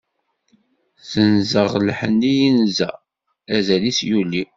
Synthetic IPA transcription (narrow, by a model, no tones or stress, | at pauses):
θənzəʁlħənːijinzæ̰ | æzælisjuli